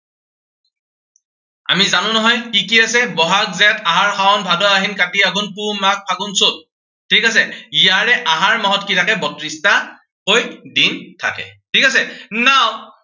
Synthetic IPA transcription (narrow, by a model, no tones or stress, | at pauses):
a̰mizanʊ̃nɔɦɔjkikiasɛbɔɦak̚zɛtaɦaɹxawɔnbʱadɔaɦinkatiaɡɔnpumak̚pʰaɡʊnsʊt̚ | tʰikas̬ɛijaɹɛʔaɦaɹmaɦɔtkitakɛbɔtɹista | hojdintʰa̰kɛ̰tʰikasɛnaw